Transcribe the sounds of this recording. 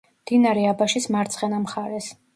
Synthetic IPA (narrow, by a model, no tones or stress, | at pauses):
d̪̥inaɾɛabaʃismaɾt̪sʰʼχɛnamχaɾɛs